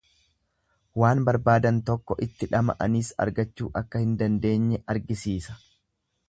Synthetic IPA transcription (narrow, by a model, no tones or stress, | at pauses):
waːnbɐɾbaːd̪ɐnt̪ɔkːɔʔɪt̪ːɪᶑɐmɐ̰ʔɐ̰niːsɐ̰ɾɡɐt͡ʃːuːʔɐkːɐhɪnd̪ɐnd̪e̞ːɲːɛʔɐɾɡɪsiːsɐ̥